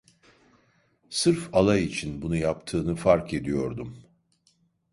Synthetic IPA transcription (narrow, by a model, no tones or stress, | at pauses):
sɯɾfalˠajit͡ʃʰinbunujapt̪ʰɯːnɯfaɾkʰe̞d̪ijo̞ɾd̪um